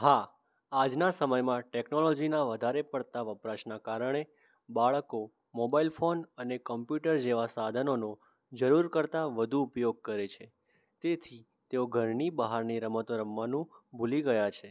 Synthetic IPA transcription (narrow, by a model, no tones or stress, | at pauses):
ha | ad͡ʒnasəməjmãʈeknolod͡ʒinaʋəd̪ʱaɾepəɽt̪aʋəpɾaʃnakaɾəɳ̃e | baɭəko | mobailfonənekəmpjuʈəɾd͡ʒeʋasad̪ʱənono | d͡ʒəɾuɾkəɾt̪aʋəd̪ʱuːpjoɡ̚kəɾet͡ʃʰe | t̪et̪ʰi | t̪eoɡʱəɾnibəɦaɾniɾəmət̪ɾəmːanũbʱuliɡəjat͡ʃʰe